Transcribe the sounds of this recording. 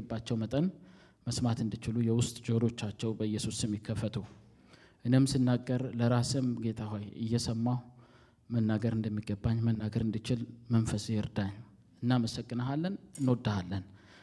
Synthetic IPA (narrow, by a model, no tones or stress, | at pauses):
bːat͡ʃːɛwmət̪ʼən | məsmat̪ɨnd̪ɨt͡ʃɪlujɛwʊst̪ʼd͡ʒoɾo̞t͡ʃːat͡ʃːɛwbəɨjːɛsusɛmːɪkʰːəfːət̪ʰu | ʔɨnemsɨnːaɡːəɾləɾasəmɡe̞t̪ʰaɦajɨ̰jːɛsəmːaw | mənːaɡəɾɨnd̪əmːiɡːəbːaɲːmənːaɡəɾɨnd̪ɨt͡ʃɪlmənfəsjɨɾd̪aɲː | ɨnːaməsəkʼːɨnəɦalːənɨnwod̪ːəhalːən